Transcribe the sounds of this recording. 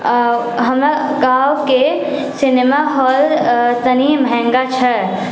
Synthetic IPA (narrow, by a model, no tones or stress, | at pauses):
ɦɐma | ɡaːwke | sɪnemaɦɔːlt̪ənimɛ̃ŋɡat͡ʃʰɐ